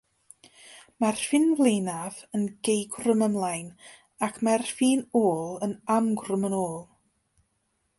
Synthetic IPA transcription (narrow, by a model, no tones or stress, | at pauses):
marfɪnvlˠejnavənɡ̥ejɡrəməmlˠajn | akʰmarfiːnoːlˠənamɡrəmənoːlˠ